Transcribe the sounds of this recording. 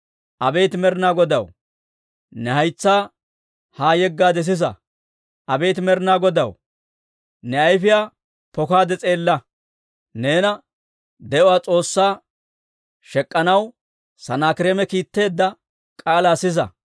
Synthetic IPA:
ʔɐbejt̪mɛɾɪnaːɡɔd̪ɐw | nɛhɐjt͡sːaː | haːjɛɡːaːd̪ɛs̬ɪs̬ɐ̰ | ʔɐbejt̪ɪmɛɾnaːɡɔd̪ɐw | nɛɐjfɪjaː | pɔkaːd̪ɛt͡sʼe̞ːlːɐ | ne̞ːnɐ | d̪ɛʔɔwaːt͡sʼo̞ːsːaː | ʃɛkʼːɐnɐw | sɐnaːkɪɾeːmɛkiːt̪ːe̞ːd̪ːɐ | kʼaːlaːsɪz̬ɐ̰

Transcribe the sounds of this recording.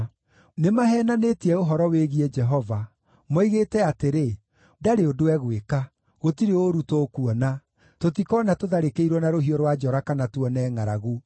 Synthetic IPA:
nemaɦɛːnanetiɛoɦɔɾɔweɣiɛd͡ʒɛɦɔva | mɔiɣetɛateɾe | daɾeodowɛɣweka | ɣotiɾeoɾutokuɔna | totikɔnatoðaɾekeiɾwɔnaɾoɦiɔɾwad͡ʒɔɾakanatwɔnɛːŋaɾaɣu

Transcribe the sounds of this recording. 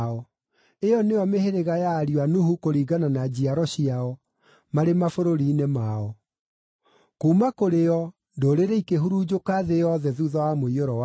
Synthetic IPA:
ɔ | eɔneɔmeheɾeɣajaːɾiwanuhukoɾiɡananad͡ʑiaɾɔɕiaɔ | maɾemafoɾoɾiːnemaɔ | kuːmakoɾeɔ | ndoːɾeɾeikeɦuɾuːd͡ʑokaːðejɔðɛðuðɔwamoioɾɔwa

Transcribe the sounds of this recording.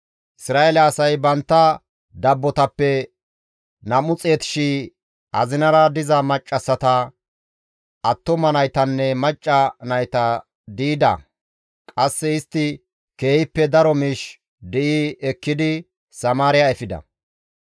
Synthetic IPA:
ʔɪsɾaːʔɛlɛːsɐjbɐnt̪ːɐ | d̪ɐbːɔt̪ɐpːɛ | nɐmʊt͡sʼeːt̪ɪ̥ʃi | ʔɐzɪnɐɾɐd̪ɪzɐmɐt͡ʃʼːɐsːɐt̪ɐ | ʔɐt̪ːɔmɐnɐjt̪ɐnːɛmɐt͡ʃʼːɐnɐjt̪ɐ | d̪iːd̪ɐ̰ | kʼɐsːɛɪst̪ːɪ | ke̞ːhɪpːɛd̪ɐɾɔmiːʃ | d̪ɛʔɪɛkːɪd̪ɪ | sɐmaːɾɪjaɛfɪd̪ɐ̰

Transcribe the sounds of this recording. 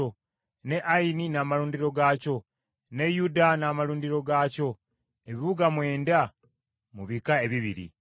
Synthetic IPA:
o | ne̞ʔaininaːmaluːndiɾo̞ɡaːco̞ | ne̞judanaːmaluːndiɾo̞ɡaːco̞ | eβiβuɡamwe̞ːnda | muβikae̞βiβiɾḭ

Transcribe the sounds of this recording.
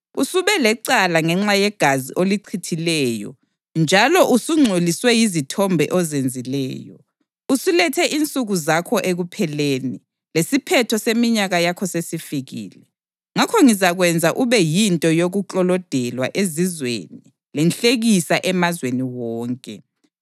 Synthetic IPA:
usuβɛlɛǀalaŋɛŋ͡ǁajɛɡ̥ʱaziʔoliǀʰitʰilɛjɔ̰ | nd͡ʒʱalɔʔusuŋ͡ǀʱoliswɛjizitʰɔmbʱɛ̰ʔɔzend͡zʱilɛ̰ːjɔ̰ | usulɛtʰɛʔint͡sʼuɣuzakʰɔʔeɣupʰɛleːni | lesipʰɛtʰɔsemiɲaɣajakʰɔsesifiɣḭːlɛ | ŋakʰɔŋizaɣwɛnd͡zʱaʔuβɛjintʼɔjoɣuǃʼɔlɔd̥ʱɛlwa̰ʔezizwḛni | lɛnɬeɣisaʔɛmazweniwɔːŋkʼɛ

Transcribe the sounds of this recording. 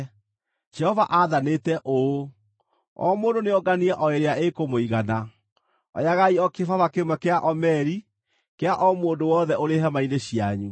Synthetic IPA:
d͡ʒɛhɔvaʔaðanetɛʔo | ɔ̰moːndoneɔɡaniɛʔɔeɾeaekomoiɣana | ɔ̰jaɣaiɔkefavakemwɛkeaʔɔmɛɾi | keaʔɔmoːndowɔðɛʔoɾeɦamaineɕiaɲu

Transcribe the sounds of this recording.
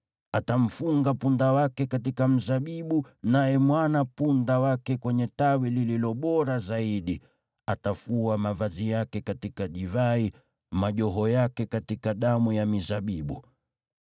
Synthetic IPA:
atam̩fuŋɡapundawakɛkatikam̩zaɓiɓunajɛmwanapundawakɛkwɛɲɛtawilililɔɓɔɾazaiɗi | atafuamavazijakɛkatikaʄivai | maʄɔɦɔjakɛkatikaɗamujamizaɓiɓu

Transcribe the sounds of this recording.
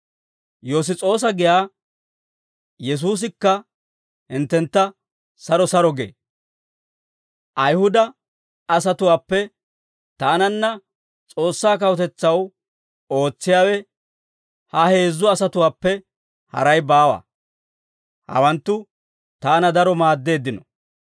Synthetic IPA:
jo̞ːs̬ɪt͡sʼo̞ːs̬ɐɡɪjaː | jɛs̬uːs̬ɪkːɐ | hɪnt̪ːɛnt̪ːɐ | sɐɾɔsɐɾɔɡḛː | ʔɐjhʊd̪ɐː | sɐt̪ʊwaːpːɛ | t̪aːnɐnːɐ | t͡sʼo̞ːsːaːkɐwɔt̪ɛt͡sːɐw | o̞ːt͡sːɪjaːwɛ | hɐhe̞ːzːʊɐsɐt̪ʊwaːpːɛ | hɐ̰ɾɐjbaːwɐ̰ | hɐ̰wɐnt̪ːʊ | t̪aːnɐd̪ɐɾɔmaːd̪ːe̞ːd̪ːɪnɔ

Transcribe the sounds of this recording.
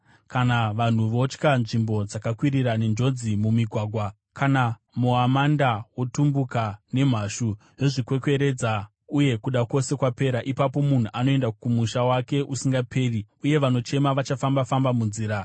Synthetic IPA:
kanaʋan̤uʋo̞t͡ʃkanʐimbo̞d͡zakakwiriɾane̞nd͡ʒo̞d͡zimumiɡʱwaɡʱwa | kana | muamandawotumbukane̞m̤aːʃu | ʐeʐikwe̞kwe̞ɾe̞d͡za | uje̞kuɗako̞se̞kwape̞ːɾaʔipapo̞mun̤uʔano̞e̞ndakumuʃawake̞ʔusiŋɡapʰe̞ːriuje̞ʋano̞t͡ʃe̞maʋat͡ʃafambafambamunziːɾa

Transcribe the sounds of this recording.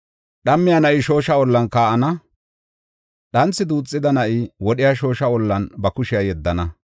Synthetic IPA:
ɗɐmːɪjanɐʔɪʃo̞ːʃɐɔlːɐnkaːʔɐnɐ | ɗɐnt͡sːɪd̪uːt͡sʼːɪd̪ɐnɐʔɪwɔɗɪjaʃo̞ːʃɐɔlːɐnbɐkʊʃɪjajɛd̪ːɐnɐ

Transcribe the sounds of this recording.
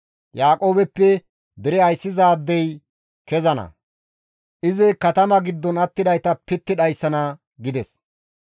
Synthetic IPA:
jaːkʼo̞ːbɛpːɛ | d̪ɛɾɛɐjsːɪzaːd̪ːɛj | kɛzɐnɐ̰ | ʔɪzɪkɐt̪ɐmɐɡɪd̪ːɔnɐt̪ːɪd̪ɐjt̪ɐpɪt̪ːɪᶑɐjsːɐnɐ | ɡɪd̪ɛs

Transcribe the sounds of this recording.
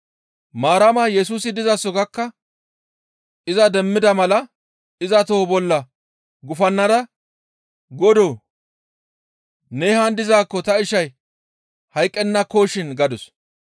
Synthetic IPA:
maːɾɐmɐːjɛs̬uːs̬ɪd̪ɪzɐsɔɡɐkːɐ | ʔɪzɐd̪ɛmːɪd̪ɐmɐlɐ | ɪzɐt̪oːbɔlːɐ | ɡʊfɐnːɐd̪ɐ | ɡɔd̪oː | neːhɐnd̪ɪzaːkːɔt̪ɐɪʃɐj | hɐjkʼːɛnːɐkoːʃɪnɡɐd̪ʊs

